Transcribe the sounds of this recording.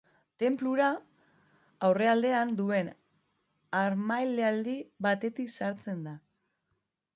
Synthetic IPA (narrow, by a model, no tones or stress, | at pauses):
t̪e̞mpluɾa | awre̞ald̪e̞and̪ue̞n | aɾmajleald̪iβat̪e̞t̪iksaɾt͡se̞nd̪a